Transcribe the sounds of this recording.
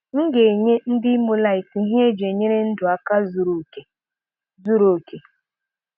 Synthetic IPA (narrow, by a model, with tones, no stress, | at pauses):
ŋ̩˦ɡe˨ɲe˦n̩˦dɪ˦mu˦la˦˨i˨fi˨ɦi˦e˦d͡ʒe˨ɲe˦ɾe˦n̩˦dʊ˨a˨ka˦zu˨ɾu˨ke˨ | zu˦ɾo˨ke˨